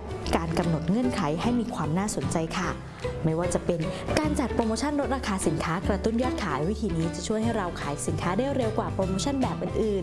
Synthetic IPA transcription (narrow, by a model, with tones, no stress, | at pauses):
kaː˧nka˧mno˨˩t̪̚ŋɤ˧˥˨nkʰa˩˦jɦa˥˩jmiː˧kʰwaː˧mnaː˥˩so˨˩˦nt͡ɕa˧jkʰa˥˩ | ma˥˩jwaː˥˩t͡ɕa˨˩pe˧nkaː˧nt͡ɕa˨˩pɾoː˧moː˧t͡ɕʰa˥˩˨nɾo˦˥t̪̚ɾaː˧kʰaː˧si˨˩˦nkʰaː˦˥kɾa˧t̪u˥˩njɔː˥˩t̪̚kʰaː˩˦jwi˦˥t̪ʰiː˧niː˦˥t͡ɕa˨˩t͡ɕʰu˥˩əjɦa˥˩jɾa˧wkʰaː˩˦jsi˨˩˦nkʰaː˦˥daː˥˩wɾe˧wkwaː˨˩pɾoː˧moː˧˥t͡ɕʰa˥˩nbɛː˨˩p̚ʔɯː˨˩nʔɯː˨˩n